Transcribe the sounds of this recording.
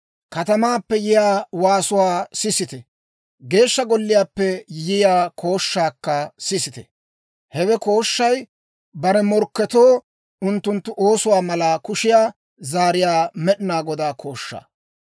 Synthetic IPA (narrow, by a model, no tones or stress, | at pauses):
kɐt̪ɐmaːpːɛjɪjaːwaːsʊwaːsɪsɪt̪ɛ | ɡe̞ːʃːɐɡɔlːɪjaːpːɛjɪjaːkʰo̞ːʃːaːkːɐsɪsɪt̪ɛ | hɛwɛko̞ːʃːɐj | bɐɾɛmɔɾkːɛt̪oː | ʊnt̪ːʊnt̪ːʊʔo̞ːsʊwaːmɐlaːkʊʃɪjaː | zaːɾɪjaːmɛɗɪnaːɡɔd̪aːkʰo̞ːʃːa̰ː